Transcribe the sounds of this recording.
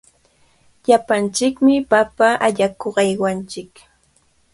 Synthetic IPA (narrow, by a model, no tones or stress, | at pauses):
ʎapant͡ʃɪkmɪpapaʔaʎakoɢɑjwant͡ʃɪk